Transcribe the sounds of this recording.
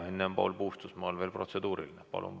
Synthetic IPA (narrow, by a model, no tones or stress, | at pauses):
enːembo̰lbuːst̪usmɑolʋeːlprot̪sed̪uːɾḭlinepɑ̰lṵm